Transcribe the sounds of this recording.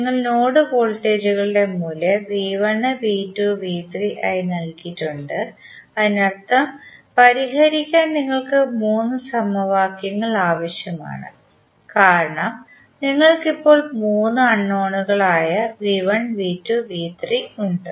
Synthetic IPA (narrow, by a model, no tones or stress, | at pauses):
niŋːɐɭnoːɽɨko̞ːɭʈːe̞ːd͡ʑuɣɐɭɨɽe̞mulɐʋiʋɐɳɨʋiːtːuʋiːt̪riʔa̰ːjinɐlkitːuɳɖɨɐðinɐrt̪ːɐmpɐɾiɦɐɾikʲːaːnniŋːɐɭkɨmuːnːɨsɐmɐʋaːkjɐŋːɐɭaːʋɐɕjɐma̰ːɳɨ̰ | kaːɾɐɳɐm | niŋːɐɭkipːo̞ːɭmuːnːɨɐɳːoːɳuɣɐɭaːjɐʋiʋɐɳʋiːtːuʋiːt̪riuɳɖɨ